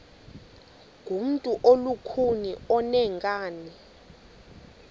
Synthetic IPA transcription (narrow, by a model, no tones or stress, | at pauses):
ŋ̥ʱum̩tʼuʔolukʰuniɔnɛŋɡʼaːni